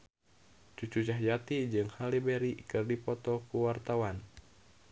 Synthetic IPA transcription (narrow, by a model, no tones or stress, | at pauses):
t͡ʃut͡ʃut͡ʃaɦjat̪id͡ʒɨŋhalibɛɾikɨrdipɔt̪ɔkuwart̪awan